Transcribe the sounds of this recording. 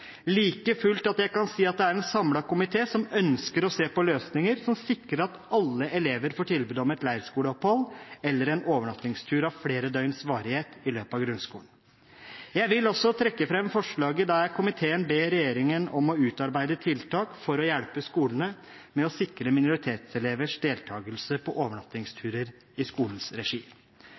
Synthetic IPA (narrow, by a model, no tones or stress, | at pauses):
liːkəfʉlt̪ɑt̪jæɪkɑnsiːɑt̪̚d̪ɛæɾɛnsɑmlɑkʊmɪt̪ʰeːsɔmœnskəɾɔseːpɔløːsnɪŋəɾsɔmsɪkɾəɾɑt̪ɑlːəʔɛleːʋəɾfoːʈʰɪlbʉːd̪ɔmɛt̪læɪɾskuːləɔphɔlːɛlːəɾɛnoːʋəɳɑt̪nɪŋst̪ʰʉːɾɑʋfɽeːɾəd̪œʏnsʋɑːɾɪheːt̪ɪløːpɑʋɡɾʉnskuːlən | jæɪʋɪlɔsːɔt̪ʰɾɛkːəfɾɛmfɔʂɭɑːɡəd̪ɑækʰʊmɪt̪ʰeːənbeːɾɛjeːɾɪŋənɔmɔʉːt̪ɑɾbæɪd̪ət̪ʰɪlt̪ʰɑːkfɔɾɔjæɽpəskuːlənə | mɛɔsɪkɾəmɪnʊɾɪt̪ʰeːt̪sɛleːʋəʂd̪eːlt̪ʰɑːɡəlsəpʰɔʔoːʋəɳɑt̪ɪŋst̪ʰʉːɾəɾ | ɪskuːln̩sɾɛʂiː